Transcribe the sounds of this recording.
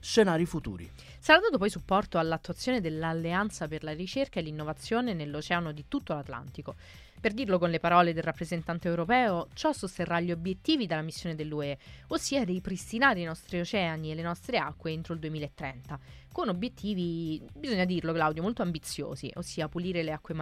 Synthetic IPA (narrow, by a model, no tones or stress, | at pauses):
ʃenaːɾifut̪ṵːɾḭ | saɾat̪ːuːt̪opɔjsupːɔrt̪oalːat̪ːwat̪sːjoːned̪elːalːeant̪saperlarit͡ʃerkaelːinːovat̪sːjoːnenelːot͡ʃɛːanod̪it̪ut̪ːolat̪la̰nt̪iko | perd̪irlokonlepaɾɔːled̪elrapːɾezent̪ant̪eɛwɾopɛːot͡ʃɔsost̪erːaʎːiobjet̪ːiːvid̪elːamisːjoːned̪elːueosːiːad̪ejpɾist̪inaːɾiinɔst̪ɾiot͡ʃɛanielːenɔst̪ɾeakːweent̪ɾoild̪uemiːlaet̪ːɾɛnt̪a | konobjet̪ːiːvibizoɲːad̪irlokelawd̪jomolt̪oambit̪sːjo̰ːziʔosːiːapuliːɾeleakːwem